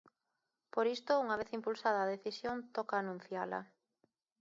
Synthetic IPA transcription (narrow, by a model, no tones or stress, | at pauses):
poɾist̪ʊuŋɐβ̞eθimpulsaðɐːðeθisjont̪ɔkaːnũn̟θjalɐ̰